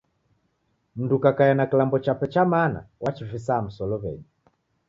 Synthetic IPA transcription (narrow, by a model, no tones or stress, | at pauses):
m̩ndukakajanakilambɔt͡ʃapɛt͡ʃamana̰wat͡ʃifisaːm̩sɔlɔβɛ̰ɲi